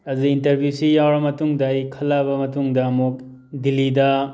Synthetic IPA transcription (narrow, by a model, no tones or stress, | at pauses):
ɐzuintɐɾbʱjusijawɾɐmɐtuŋdajkʰɐlabɐmɐtuŋdɐɐmuk̚ | dilidɐ